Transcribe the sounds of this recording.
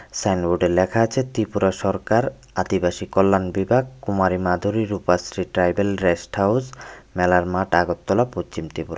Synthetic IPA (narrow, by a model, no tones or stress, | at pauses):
sajnboɖeɾlɛkʰaat͡ɕʰet̪ipuɾaʃɔɾkaɾ | ad̪ibaʃikɔlːanbibʱaɡkumaɾimad̪ʱuɾiɾupasɾiʈɾajbelɾesʈhawsmɛlaɾmaʈaɡot̪ːɔlapost͡ɕimt̪ɾipuɾa